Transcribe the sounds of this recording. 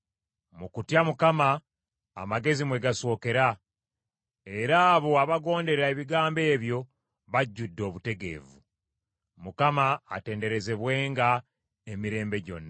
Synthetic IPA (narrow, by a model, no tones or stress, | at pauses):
mukutjamukama̰ː | maɡe̞zimwe̞ɡaso̞ːke̞ɾa | e̞ɾaːβo̞aβaɡo̞ːnde̞ɾae̞βiɡaːmbe̞ːβjo̞ | βaɟːudːo̞ːβute̞ɡe̞̰ːvu | mukama̰ːte̞ːnde̞ɾe̞ze̞βwe̞ːŋɡa | emiɾe̞ːmbe̞ɟo̞̰nːa